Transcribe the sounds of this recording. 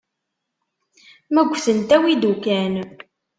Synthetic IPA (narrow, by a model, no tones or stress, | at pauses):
mæɡʷθənt̪æwid̪ukæn